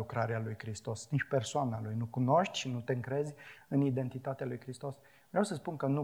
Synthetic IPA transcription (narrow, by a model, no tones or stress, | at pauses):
ukɾaɾealujkɾist̪o̞sniʃpe̞rsoanalujnukuno̞ʃt̪ʲʃinut̪e̞ɨŋkɾe̞zʲɨnid̪e̞nt̪it̪at̪ealujkɾist̪o̞s | vɾeawsəspunkənu